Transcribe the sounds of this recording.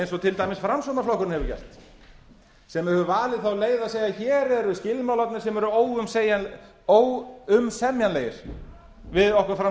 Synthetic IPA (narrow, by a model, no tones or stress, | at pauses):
jnsɔt̪ʰɪlt̪ajmɪsfɾamsɔnaflɔhkʏɾnhɛvʏcɛ̰r̥t̪ | sɛmːɪɾhɛvʏvaːlɪðθawleːjðaseːjaçɛːɾɛɾʏscɪlmawlat̪nɪɾ̥sɛmɛɾʏoːwʏmseːjan | oːwʏmsɛmjanleːjɪɾ̥ | vɪðɔhkaɾfɾa